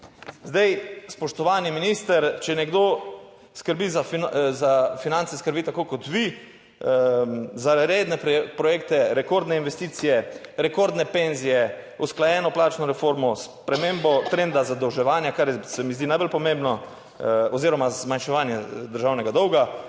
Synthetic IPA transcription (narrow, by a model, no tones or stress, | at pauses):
zd̪ajspɔʃt̪ɔʋaːniminiːst̪əɾt͡ʃɛnɛɡd̪o | skəɾbiːzazafinant̪sɛskəɾbiːt̪akoːkɔt̪ʋi | zaɾed̪nɛpɾɔjeːkt̪ɛɾɛkoɾd̪nɛinʋɛst̪iːt̪sijɛɾɛkoɾd̪nɛpenzijɛusklajɛːnɔplaːt͡ʃnɔɾɛfoɾmɔspɾɛmembɔt̪ɾend̪azad̪ɔwʒɛʋaːnjakaɾjɛsɛmizd̪inajbəlpɔmẽmbnɔ | ɔziːɾɔmazmanʃɛʋaːnjɛd̪əɾʒaːwnɛɡad̪ɔwɡa